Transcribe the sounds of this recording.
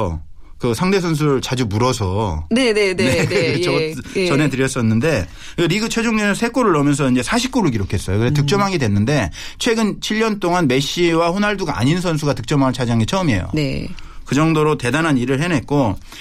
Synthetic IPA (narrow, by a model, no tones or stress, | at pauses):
kɯsʰaŋde̞s̬ʰʌns̬ʰuɾɯɭt͡ɕad͡ʑumuɾʌsʰʌnenenekʌt͡ɕʌnɦe̞tɯɾjʌs͈ʌnːɯnde̞ | eɾiɡɯt͡ɕʰwe̞d͡ʑoŋɡenɯnsʰe̞k͈oɾɯɭːʌmjʌns̬ʰʌind͡ʑe̞sʰaɕʰi̥p̚k͈oɾɯɭk̬iɾokʰe̞s͈ʌjokɯɾet̬ɯk̚t͡ɕ͈ʌmɦaŋidwe̞nːɯnde̞t͡ɕʰwe̞ɡɯnt͡ɕʰiʎːʌnt͈oŋanme̞ɕ͈iwaɸonaɭduɡaa̰ɲinnsʰʌns̬ʰuɡatɯk̚t͡ɕ͈ʌmɦaŋɯɭt͡ɕʰad͡ʑaŋit͡ɕʰʌmḛjo̰nekɯd͡ʑʌŋdoɾote̞dananiɾɯɭhe̞nɦe̞t̚k͈o